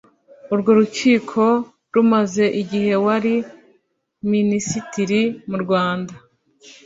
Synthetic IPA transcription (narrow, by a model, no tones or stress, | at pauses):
uɾɡo̞ɾut͡ʃiːkʰo̞ | ɾumaze̞ʔiɟihe̞waɾi | minisitiɾimuɾɡwaːnda